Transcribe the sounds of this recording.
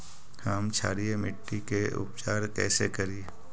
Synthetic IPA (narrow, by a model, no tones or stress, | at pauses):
haːmt͡ʃʰaːɾijemɪʈːikeʊ̰p̚t͡ʃaːɾkɛːsekɐɾi